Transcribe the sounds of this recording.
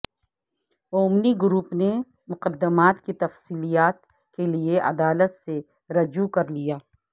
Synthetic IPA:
oːmniɡʊɾuːpne | mʊqəd̪ːəmaːt̪kit̪ɐfsiːlijaːt̪ | kelieʔɐ̰d̪aːlət̪se | ɾɐd͡ʒukɐɾlijaː

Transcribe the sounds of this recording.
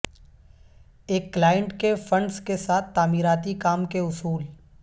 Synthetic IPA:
eːkːlaːjə̃ɳʈkefɐ̃ɳɖskesaːt̪ʰt̪ːaːmiːɾaːt̪ikaːmkeʊsuːl

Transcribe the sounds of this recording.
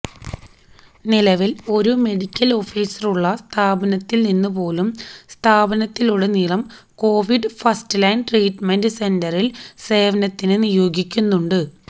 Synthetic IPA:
nilɐʋilo̞ɾume̞ɽikʲːɐlo̞fiːsɐruɭːɐst̪ʰaːbɐnɐt̪ːilninːɨpo̞ːlumst̪ʰaːbɐnɐt̪ːiluɽenilɐm | ko̞ːʋiɖɨfɐstɨlaːnʈriːʈmendɨse̞ndɐrilse̞ːʋɐnɐt̪ːinɨnijo̞ːɡikʲːunːuɳɖɨ

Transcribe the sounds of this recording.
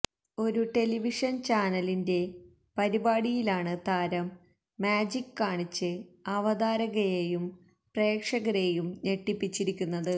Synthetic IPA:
o̞ɾuʈe̞liʋiʂɐnt͡ɕaːnɐlinde̞ | pɐɾibaːɽijilaːɳɨt̪aːɾɐmː | aːd͡ʑikːaːɳit͡ɕːɨɐʋɐd̪aːɾɐɣɐjeːjum | pre̞ːkʂɐɣɐɾejumne̞ʈːipːit͡ɕːiɾikʲːunːɐðɨ

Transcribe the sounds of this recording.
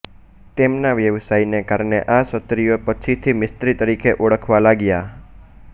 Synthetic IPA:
t̪emnaʋjəʋsajnekaɾɳḛʔasət̪ɾijopət͡ʃʰit̪ʰimɪst̪ɾit̪əɾikʰeʔoɽəkʰʋalaɡja

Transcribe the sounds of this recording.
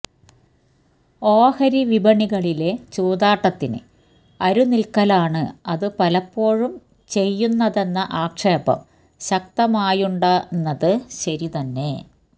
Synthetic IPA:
o̞ːhɐɾiʋibɐɳiɣɐɭile̞t͡ɕuːd̪aːʈːɐt̪ːinɨ̰ | ɐɾunilkɐlaːɳɨɐðɨpɐlɐpːo̞ːɻum | t͡ɕe̞jːunːɐðe̞nːɐʔaːkʂeːbɐ̰m | ɕɐk̚t̪ɐmaːjuɳɖanːɐðɨɕɐɾit̪ɐnːe̞

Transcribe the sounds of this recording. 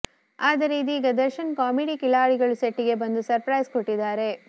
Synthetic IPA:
aːd̪ɐɾiːd̪iːɡɐd̪ɐɾʃɐnkaːmiɽikilaːɭiɡɐɭuseʈːiɡe̞bɐnd̪usɐɾpɾɐjskoʈːid̪ːaːɾe̞

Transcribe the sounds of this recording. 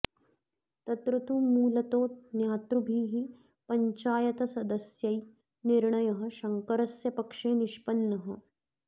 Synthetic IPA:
t̪ɐt̪ɾut̪umuːlɐt̪oːt̪̚njaːt̪ɾubʱiːɦi | pɐɲt͡ʃaːjɐt̪ɐsɐd̪ɐsjɐi | niɾɳɐjɐɦɐ̆ʃɐŋkɐɾɐsjɐpɐkʂeːniʃpɐnːɐɦɐ̆

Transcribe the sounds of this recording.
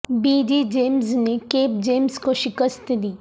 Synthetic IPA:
biːd͡ʒid͡ʒeːmznekeːp̚d͡ʒeːmzkoʃɪkəst̪d̪iː

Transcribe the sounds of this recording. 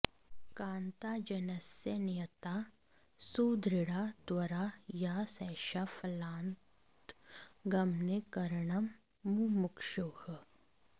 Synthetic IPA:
kãːnt̪aːd͡ʒɐnəsjənɪjət̪a | suːd̪ɾɪɽad̪wɐɾajasɛːʃafʰɐlãːnt̪ɡɐmnekɐɾɳɐmː | umʊkʃoːh

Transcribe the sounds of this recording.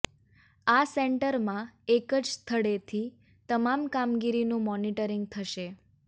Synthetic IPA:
aseɳʈəɾmãekəd͡ʒst̪ʰəɽet̪ʰi | t̪əmamkamɡiɾinũmɔniʈəɾiŋɡ̚t̪ʰəʃe

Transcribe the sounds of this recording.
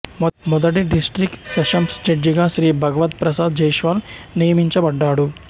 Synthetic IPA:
mmɔd̪ɐʈiɖisʈɾikʈsɐʂɐmsd͡ʒɐɖd͡ʒiɡaːʃɾiːbʱɐɡɐʋɐt̪pɾɐsaːd̪d͡ʒɐjʃʋaːlnijɐmiɲt͡ʃɐbɐɖːaːɽu

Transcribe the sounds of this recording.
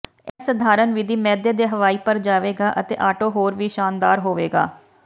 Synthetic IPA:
ɛːsəd̪ʱaːɾənʋɪd̪ʱiːmɛːd̪eːd̪eːɦəʋaːiːpəɾd͡ʒaːʋeːɡaːʔət̪ḛːʔaːʈoːɦoːɾʋiːʃaːnd̪aːɾɦoːʋeːɡa̰ː

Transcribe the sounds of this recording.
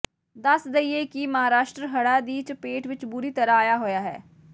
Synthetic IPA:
d̪əsd̪əieːkiməɦaːɾaːʃʈɾəɦəɽaːd̪iːt͡ʃpeːʈʋɪt͡ʃbʊɾiːt̪əɾaaːjaːɦoːjaːɦɛ̰ː

